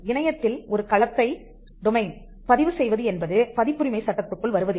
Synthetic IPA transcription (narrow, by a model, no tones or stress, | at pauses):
ɪɳɐjɐt̪ːɪlɔɾɯkɐɭɐt̪ːɐɪ | d̪ʊmɐɪn | pɐðɪʋɯsɛjʋɐðɯɛnbɐðɯpɐðɪpːɯɾɪmɐɪsɐʈːɐt̪ːɯkːɯɭʋɐɾɯʋɐðɯ